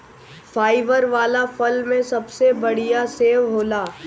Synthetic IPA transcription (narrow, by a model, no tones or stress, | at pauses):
faːɪʋəɾʋaːlafɐlmẽsɐbsebɐɽijaseːʋɦoːlaː